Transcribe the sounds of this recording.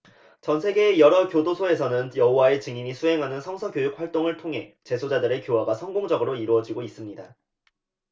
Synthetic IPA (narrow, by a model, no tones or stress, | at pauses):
t͡ɕʌnsʰe̞ɡe̞ːjʌɾʌkjodosʰoe̞s̬ʰʌnɯnjʌɦowae̞t͡ɕɯŋiɲisʰuɦe̞ŋɦanɯnsʰʌŋsʰʌɡjojuk̚ɸwaɭt͈oŋɯɭtʰoŋɦe̞t͡ɕe̞sʰod͡ʑadɯɾe̞kjoɦaɡasʰʌŋɡoŋd͡ʑʌɡɯɾoiɾuʌd͡ʑiɡois͈ɯmɲida